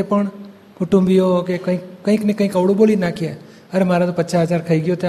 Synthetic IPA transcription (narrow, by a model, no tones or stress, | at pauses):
epəɳ | kʊʈũmbijokekə̃ĩkkəɦĩknekə̃ĩkəʋɽoboːlinakʰie | əɾemaːɾat̪opət͡ʃaɦəd͡ʒaːɾkʰəiɡɪjot̪e